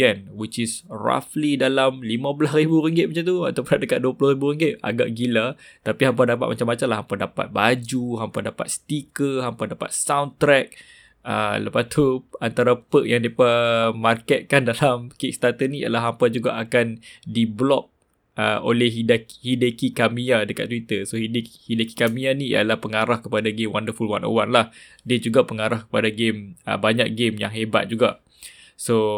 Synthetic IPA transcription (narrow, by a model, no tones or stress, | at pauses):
ənwit͡ʃisra̰flidalamlimãbəlasribuɾəŋɡɪt̪̚mat͡ʃant̪uat̪awpənaʔdəkaʔ̪̚duəpəlohribuɾəŋɡɪt̪̚a̰ɡaʔɡilat̪apiɦampadapat̪̚mat͡ʃamːat͡ʃamlahɦampadapa̰t̪̚bad͡ʒuɦampadapa̰t̪̚st̪ikəɦampadapa̰t̪̚sawnt̪ɾɛk̚ | ə̰ləpast̪uant̪aɾapək̚jaŋdepəmarkɛt̪̚kandalamkik̚st̪at̪ənija̰laɦampad͡ʒuɡa̰ʔakandiblɔp̚ | ʔəo̰lɛhɦidahidəkikamiadəkat̪̚ːwit̪əsohidhidəkikamianiḭa̰lahpəŋaɾahkəpadaɡemwandəfulwa̰no̰wanlah | diad͡ʒuɡapəŋaɾahkə̥padaɡemə̰baɲak̚ɡemja̰ŋɦeba̰t̪̚d͡ʒuɡaʔ | so